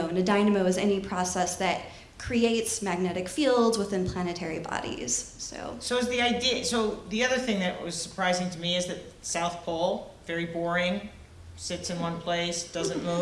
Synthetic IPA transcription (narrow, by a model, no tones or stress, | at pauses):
ʊɨ̃nɨdãɪ̃nɨmoʊɨzɛnipʰɹ̥ɑsɛsðɨt̚ | kʰɹ̥ieɪtsmæɡ̚nɛɾɨkfilˠdzwəθɪ̃npʰl̥ænɨtʰɛɹibɑ̰ɾḭz̥so̰ʊsoʊʌzðiaɪdiɨsoʊðiʌðə˞θɪ̃ŋðɨʔwʔʌ̰z̥sə˞pʰɹ̥aɪzɪ̃ŋtʰɨmiɨzðɨt̚ | saʊθpʰɔlˠ | vɛɹibɔɹɪ̃ŋ | sɪtsɨ̃nwʌ̃npʰl̥eɪsd̥ʌzɨ̃nmu